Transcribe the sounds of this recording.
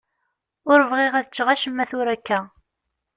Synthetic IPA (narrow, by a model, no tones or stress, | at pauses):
ʊɾəvʁiʁæðt͡ʃːʁaʃəmːæθʊɾækːæ